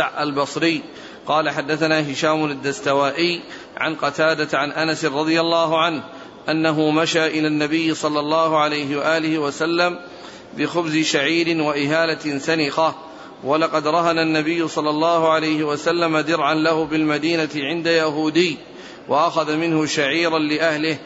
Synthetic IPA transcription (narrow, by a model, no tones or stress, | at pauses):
ʕʔalbɑsˤɾɪjː | qɑːlaħad̪ːaθanaːɦɪʃaːmʊad̪ːast̪awaːʔɪj | ʕa̰nqɑt̪aːd̪aʕanʔanasɪɾˤɑd̪ˤɨjalːɑːɦʊʕanh | ʔanːaɦʊmaʃaːʔɪlaːnːabɪjːɪsˤɑlːɑlˤːɑːhʊʕalajɦɪwaʔaːlɪhɪwasalːam | bɪxʊbzɪʃaʕiːɾɪnwaʔɪɦaːlat̪ɪsanɪqa | walɑqɑd̪ɾˤɑɦananːabɪjːʊsˤɑlːɑlˤːɑːhʊʕalajhɪwasalːamad̪ɪɾʕanlahʊbɪlmad̪iːnat̪ɪʕɪnd̪ajaɦuːd̪ɪjː | wʔaʔaxaðamɪnhʊʃaʕiːɾanlɪʔahlɪh